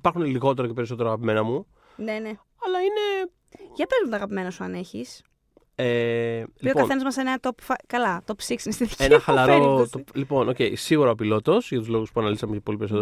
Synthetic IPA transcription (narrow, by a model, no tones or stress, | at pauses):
ipɐɾxuneliɣo̞t̪e̞ɾo̞cepe̞ɾiso̞t̪e̞ɾoɐɣɐpime̞nɐmu | ne̞ne | ɐlɐine | ʝɐpezmut̪ɐɣɐpime̞nɐsuɐne̞çis | eliiopkɐθe̞nɐzmɐseneɐt̪opfɐkɐlɐt̪opsiksinest̪iði̥cnɐxɐlɐɾot̪olipo̞noce̞jsiɣuɾoɐpilo̞t̪o̞sʝɐt̪uzlo̞ɣuspuɐnɐlisɐmecɐpo̞lipeɾisot̪e